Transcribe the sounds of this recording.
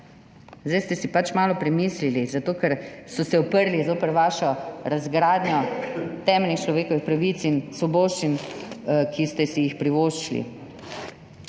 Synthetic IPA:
zd̪ajst̪ɛsipat͡ʃmaːlɔpɾɛmiːslilizat̪oːkɛɾsɔsɛɔpəɾlizoːpɛɾʋaːʃɔɾazɡɾaːd̪njɔt̪ɛːmɛlnixt͡ʃlɔʋeːkɔʋixpɾaʋit̪sinsɔboːʃt͡ʃin | kʰist̪ɛsijixpɾiʋoːʃt͡ʃlḭ

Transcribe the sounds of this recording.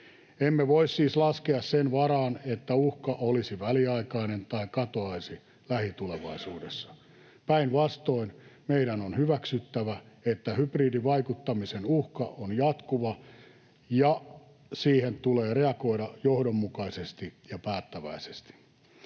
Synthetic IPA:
emːeʋoissiːslɑskeɑssenʋɑrɑːnet̪ːæuhkɑʔolisiʋæliɑikɑinent̪ɑikɑt̪oɑisi | læhit̪uleʋɑisuːdesːɑ̥ | pæinʋɑst̪oinmeiɾænonhyʋæksyt̪ːæʋæ | et̪ːæhypriːdiʋɑikut̪ːɑmisenuhkɑ̰onjɑt̪kuʋɑ | jɑ | siːhent̪uleːreɑkoidɑjohdomːukɑisest̪ijɑpæːt̪ːæʋæ̰ise̥st̪i̥

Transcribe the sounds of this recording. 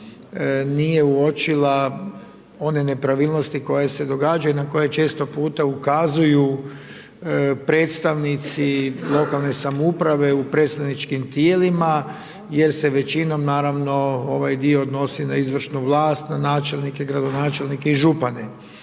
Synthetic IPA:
nije̞uo̞t͡ʃila | o̞ne̞ne̞pɾaʋiːlˠno̞st̪iko̞jese̞d̪o̞ɡaːd͡ʒajunako̞jet͡ʃe̞ːst̪o̞puːt̪aukazuju | pɾe̞ːt̪st̪aʋnit̪silˠo̞kalˠne̞samoupɾaʋe̞upɾet̪st̪aʋnit͡ʃkimt̪jeːlima | je̞ɾseʋe̞t͡ʃino̞mnaːɾaʋno̞o̞ʋajd̪ioːd̪no̞sinaizʋr̩ʃnuʋlˠaːst̪nanaːt͡ʃe̞lnike̞ɡɾad̪o̞naːt͡ʃe̞lˠnikeiʒupane

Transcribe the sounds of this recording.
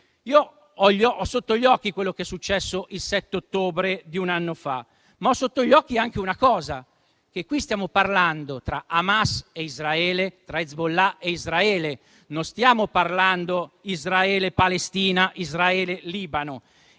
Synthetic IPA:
iːo | ɔʎːɔʔɔsːot̪ːoʎɔːkːikwelːokɛsːut͡ʃːɛsːoʔilsɛt̪ːeot̪ːoːbɾed̪iunanːofa̰ | maɔsːot̪ːoʎɔːkːiaŋkeunakɔːza | kekːwist̪jaːmoparland̪ot̪ɾaʔamaseizɾaɛːlet̪ɾaed̪zbolːaeizɾaɛːle | nost̪jaːmoparland̪oizɾaɛːlepalest̪iːnaʔizɾaɛːleliːbano

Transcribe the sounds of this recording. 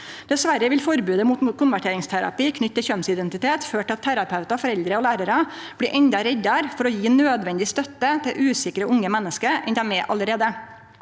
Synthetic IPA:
d̪̥ɛsʋæɾəʋɪlfɔɾbʉːd̪əmuːt̪kʰʊnʋæʈʰeːɾɪŋst̪ʰæɾɑ̰piːkʰnʏt̪ːəçœnsɪd̪ɛnt̪ɪt̪eːt̪føːʈʰɪɑt̪ʰːæɾɑpʰɑʉt̪ɑfɔɾɛld̪ɾəoːlæːɾəɾɑ | b̥liːʔɛɲd̪ɑɾɛɟ̪ɑɾfɔɾɔjiːnøːd̪ʋɛnd̪ɪst̪œt̪ːət̪ʰɪʔʉːsɪkɾəʔʊŋːəmɛnːəskəɾʔɛ̰nd̪æmɛːʔɑ̰ləɾeːd̪ə

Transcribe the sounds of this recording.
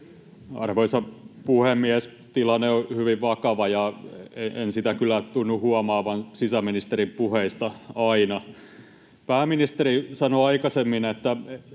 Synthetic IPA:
ɑ̰rʋoisɑpuhemːiæs | t̪ilɑnːeohyʋiʋʋɑkɑʋɑjɑeensit̪ækylːˑæt̪unːuhuɑmɑːʋɑnsisæminist̪eɾimpuheist̪ɑɑinɑ | pæːminist̪eɾisɑnoɑikɑsemːinet̪ːæ

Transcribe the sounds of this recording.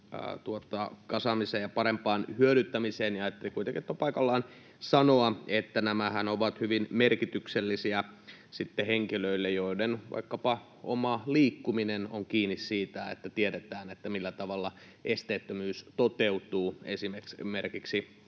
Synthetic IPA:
t̪uot̪ɑkɑsɑmiseːjɑpɑɾempɑːnhyøɾyt̪ːæmiseːnjɑɑjɑt̪ːelikuit̪eŋkit̪ːopɑikɑlːɑːn | sɑnoɑet̪ːænæmæhænoʋɑt̪hyʋinmerkit̪ykselːisiæ | sit̪ːeheŋkiløilːejoidenʋɑ̰ikːɑpɑ | o̰mɑliːkːuminenoŋkiːnːissiːt̪æḛt̪ːæt̪ieɾet̪æːnet̪ːæmilːæt̪ɑʋɑlːɑ | ʔest̪eːt̪ːømyːst̪ot̪eut̪uːesimemerkiksi

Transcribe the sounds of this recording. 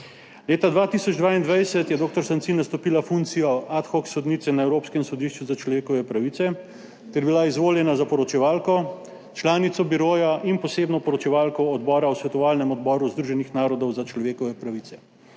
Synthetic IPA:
leːt̪ad̪ʋaːt̪isɔd͡ʒd̪ʋaːind̪ʋajsɛt̪jɛd̪oːk̚t̪ɔɾsant̪sinast̪ɔpiːlafunkt̪sijɔʔat̪xɔksɔd̪niːt̪ɛnaewɾoːpskɛmsɔd̪iʃt͡ʃuzat͡ʃlɔʋeːkɔʋɛpɾaʋit̪sɛ | t̪ɛɾbilaizʋoːljɛnazapɔɾɔt͡ʃɛʋaːlkɔ | t͡ʃlaːnit̪sɔbiɾoːjaʔinpɔseːbnɔpɔɾɔt͡ʃɛʋaːlkɔːd̪bɔːɾawsʋɛt̪ɔʋaːlnɛmɔd̪bɔːɾuzd̪ɾuʒɛnixnaːɾɔd̪ɔwzat͡ʃlɔʋeːkɔʋɛpɾaʋiːt̪sɛ̥

